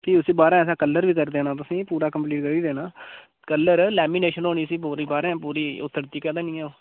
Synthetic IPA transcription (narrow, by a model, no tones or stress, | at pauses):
p̪iːʊsĩːbaːɾãːɛːs̬ãːkəlːəɾʋiːkəɾd̪eːnaːt̪̬ʊsĩːpuːɾaːkəmpliːʈkəɾiːd̪eːnaː | kəlːəɾlɛːmiːneːʃənɦoːniːsiːpoːɾiːbaːɾãːpuːɾiːʊt̪ːəɾt̪iːkɛːd̪ãːnĩːɛːoː